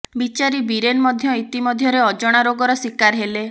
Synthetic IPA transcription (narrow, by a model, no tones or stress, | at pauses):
bit͡ʃaɾibiɾenmɔd̪ʱjɔit̪imɔd̪ʱjɔɾeɔd͡ʒɔɽ̃aɾoɡɔɾɔswikaɾɦele